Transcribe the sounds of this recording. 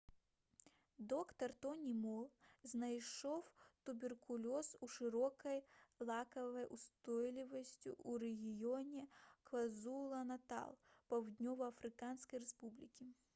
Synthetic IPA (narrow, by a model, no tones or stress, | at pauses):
d̪ɔkt̪ɐrt̪ɔnʲimɔlˠznɐjʂɔwt̪ʊbʲɪrkʰʊlʲɔsuʂɨɾɔkɐjlˠakɐvɐjʔust̪ɔjlʲɪvɐsʲtʲṵʔuɾɛɣʲijonʲɛkvɐzulˠɐnɐt̪a̰lˠpɐwd̪ʲnʲɔvɐɐfɾɨkanskɐjrɛspublʲikʲi